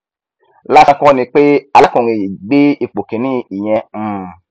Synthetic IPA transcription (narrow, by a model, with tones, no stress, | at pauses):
la˦˧˦kɔ̃˦nĩ˧k͡pe˦a˧la˦kũ˨ɾĩ˨ji˨ɡ͡be˦i˧k͡po˨kẽ˨nĩ˦i˨j̃ɛ̃˧˦˨